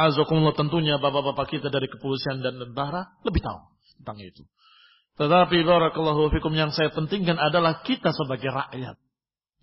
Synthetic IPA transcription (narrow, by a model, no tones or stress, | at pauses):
azakumlːɔt̪ənt̪uɲabapabapakit̪adaɾikəpolisiandandənt̪aɾaləbɪht̪a̰ʊ̰ŋənt̪aŋḭt̪u̥ | t̪ət̪apibaɾɑkəlːaɦuafikʊmjaŋsajapənt̪ɪŋkanadalahkit̪asəbaɡajra̰ʔja̰t̪̚